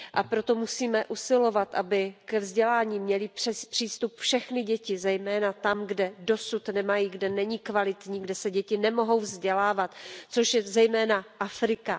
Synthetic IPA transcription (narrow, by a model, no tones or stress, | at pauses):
ʔapɾo̞t̪o̞musiːmɛʔusɪlo̞vat̪ʔabɪkɛvzɟɛlaːɲiːmɲɛlɪɛpr̝̥iːst̪upfʃɛxnɪɟɛcɪzɛjmɛːnat̪amɡdɛdo̞sut̪nɛmajiɡdɛnɛɲikvalɪt̪ɲiːɡdɛsɛɟɛcɪnɛmo̞ɦo̞wvzɟɛlaːvat̪t͡soʃjɛzɛjmɛːnaʔafɾɪka